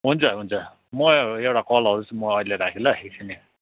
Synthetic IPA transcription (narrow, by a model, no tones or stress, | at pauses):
ɦunt͡sʰʌɦunt͡sʰʌ | mʌewʈakʌlɦʌɾut͡sʌmʌːileɾakʰilaɦeksʰine